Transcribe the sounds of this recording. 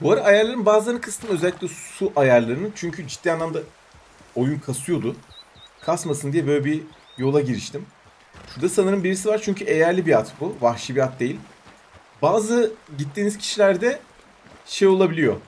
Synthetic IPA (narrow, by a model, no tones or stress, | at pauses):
buaɾaːjaɾlˠaɾɯnbaːzlaɾnkʰɯst̪ʰɯmø̞zælʲːicʲlʲɛsuʔajaɾlˠaɾɯnɯnt͡ʃʰyɲcʰyd͡ʒit̪ʰːijanˠamd̪a | ojunkʰasujo̞d̪ʊ | kʰasmasɯnd̪ijɛbø̞jlʲɛbi | jo̞lˠaɟiɾiʃt̪ʰim | ʃuɾd̪asanɯɾɯmbiɾisivaɾt͡ʃʰyɲcʰye̞jæɾlʲibiat̪buvaxʃibiat̪̚d̪e̞jilʲ | baːzɯɟit̪ːiːniz̥cʰi̥ʃilʲæɾd̪ɛ | ʃe̞jo̞lˠabilʲijo̞